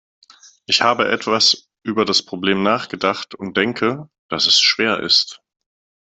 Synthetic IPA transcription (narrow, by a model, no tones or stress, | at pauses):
ʔɪçhaːbəʔɛtv̥as | ʔyːbɐdaspʁ̥obleːmnaːχɡ̥ədaχtʊnt̚d̥ɛŋkʰə | d̥asɛsʃv̥eːɐʔɪ̰st